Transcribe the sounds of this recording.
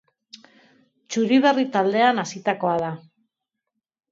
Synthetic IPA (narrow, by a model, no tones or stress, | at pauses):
t͡ʃuɾiβ̞erit̪ald̪e̞anasit̪ako̞aða